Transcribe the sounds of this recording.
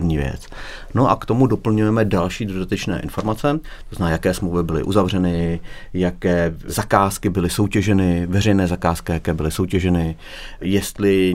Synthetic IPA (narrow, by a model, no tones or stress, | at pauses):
vɲiːvjɛ̰t͡s | no̞ʔa̰kt̪o̞mudo̞pl̩ɲujɛmɛdalʃiːdodat̪ɛt͡ʃnɛ̰ːʔɪ̰nfo̞ɾmat͡sɛt̪oznnaːjakɛːsmlowvɪbɪlɪ̰ʔuzavr̝ɛnɪjakɛːzakaːskɪbɪlɪso̞wcɛʒɛnɪvɛrɛjnɛːzakaːskɪjakɛːbɪlɪso̞wcɛʒɛnɪ | jɛst̪lɪ